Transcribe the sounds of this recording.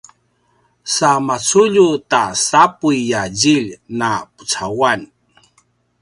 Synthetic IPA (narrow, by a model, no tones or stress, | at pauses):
samat͡suʎutasapujːaɟiʎnapu̥t͡sawan